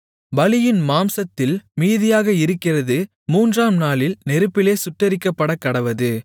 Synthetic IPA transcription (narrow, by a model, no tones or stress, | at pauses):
bɐlɪjɪnmaːmsɐt̪ːɪlmiːðɪjaːɣɐɪɾɯkːɪrɐðɯ | muːndraːmnaːlɪlnɛɾɯpːɪleːsʊʈːɐɾɪkːɐpːɐɽɐkːɐɽɐʋɐðɯ